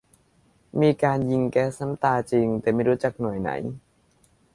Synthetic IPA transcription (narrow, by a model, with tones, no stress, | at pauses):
miː˧kaː˧nji˧ŋkɛː˦˥sna˦˥mt̪aː˧t͡ɕi˧ŋt̪ɛː˨˩ma˥˩jɾuː˦˥t͡ɕa˨˩k̚nu˨˩əjna̰˩˦j